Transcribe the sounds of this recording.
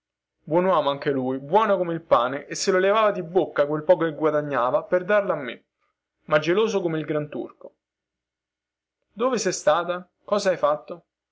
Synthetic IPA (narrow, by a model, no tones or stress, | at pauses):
bwɔnwaːmoaŋk̟elujbwɔːnakomeilpaːneʔesːelolevaːvad̪ibːokːak̬welpɔːkeɡwad̪aɲːaːvaperd̪arlaamːe | mad͡ʒːeloːsokomeilɡɾant̪ṵrko̥ | d̪oːvesɛjst̪aːt̪a | kɔːzaajfat̪ːo